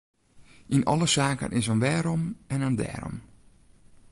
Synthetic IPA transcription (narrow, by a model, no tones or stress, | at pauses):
ʔinɔləsaːkə̰nʔɪsənʋɛːɾɔmɛnəndɛ̰ːɾɔ̰m